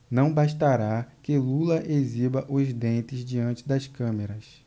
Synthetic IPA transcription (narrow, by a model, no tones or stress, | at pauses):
nɐ̃w̃baʃt̪aɾakɪlulɐʔezibɐʔʊzd̪ẽnt̪ɪzd͡ʒiɐ̃nt͡ʃɪd̪ɐskɐ̃meɾɐs